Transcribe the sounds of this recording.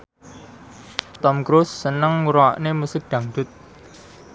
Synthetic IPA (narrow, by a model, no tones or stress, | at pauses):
t̪ɔmkɾʊsːənəŋuɾoa̰ʔnemusɪk̚d̪̥a̤ŋd̥̪ʊ̤t̪̚